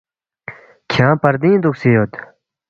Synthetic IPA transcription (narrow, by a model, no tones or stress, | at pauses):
kʰãpaɾd̪ind̪uk̚sejot̪